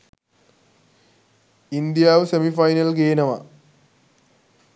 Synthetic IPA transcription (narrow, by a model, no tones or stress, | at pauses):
ind̪jaːʋɨsemifɐjnɐlɡeːnɐma̰